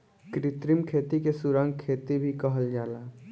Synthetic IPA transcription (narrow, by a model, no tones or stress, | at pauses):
kɾɪt̪ɾɪmkʰeːt̪ikesʊɾãŋɡkʰːeːt̪ibʱikəɦəld͡ʒaːlaː